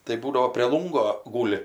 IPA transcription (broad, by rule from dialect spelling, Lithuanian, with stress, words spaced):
tɐɪ ˈbuːdɐʋoː pʲrʲeː ˈlˠʊŋɡoː ˈɡuːlʲɪ